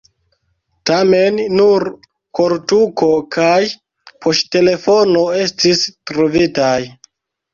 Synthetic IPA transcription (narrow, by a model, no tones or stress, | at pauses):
tamenːuɾ | koɾtuko̞kʰaj | pʰostte̞le̞fo̞no̞e̞stistɾovitaj